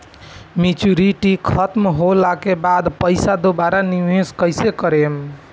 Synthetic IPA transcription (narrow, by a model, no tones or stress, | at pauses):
mit͡ʃuɾiʈikʰət̪mɦolakebad̪pəjsad̪obaɾaniʋeskəjsekəɾem